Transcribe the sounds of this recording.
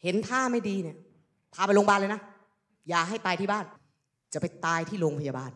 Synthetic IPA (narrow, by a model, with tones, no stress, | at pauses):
he˩˦nt̪ʰaː˥˩ma˥˩jdiː˧ni˥˩ɐ | p̪ʰaː˧pa˧jloː˧mbaː˥˩nlːna˦˥˩ | jaː˨˩k̚ɦa˥˩jt̪aː˧jt̪ʰiː˥˩baː˥˩n | t͡ɕa˨˩pe˧jt̪aː˧jt̪ʰiː˥˩loː˧ŋpʰa˧jaː˧baː˧˩n